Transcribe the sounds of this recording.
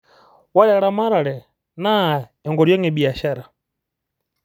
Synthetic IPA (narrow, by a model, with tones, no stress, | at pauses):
wa˦lɛ˦ɾa˦ma˦ɾa˨ɾɛ˨ | na˦ɛ˨ŋɡɔ˨ɾjɔ˦ŋɛ˨bi˨a˨ʃa˦ɾa˨